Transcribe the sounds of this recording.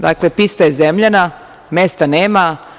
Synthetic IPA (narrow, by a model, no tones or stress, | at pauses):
d̪a̰klepist̪ajezemʎana | mest̪aneːma